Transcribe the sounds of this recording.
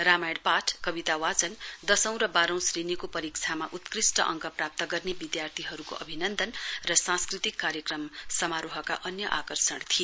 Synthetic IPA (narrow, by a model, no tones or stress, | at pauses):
ramajɽpaʈʰkʌbit̪awat͡sʌnd̪ʌsʌ̃w̃ɾʌbaɾʌ̃w̃srinikopʌɾik̚t͡sʰamaʔut̪krisʈʌ̰ʔʌ̰ŋkʌprap̚t̪ʌɡʌrnebid̪jart̪ʰiɦʌɾuko̰ʔʌbʱinʌnd̪ʌnrʌsãskrit̪ikːaɾjʌkrʌmsʌmaɾuɦʌka̰ʔʌnjʌʔakʌrsʌɽ̃t̪ʰi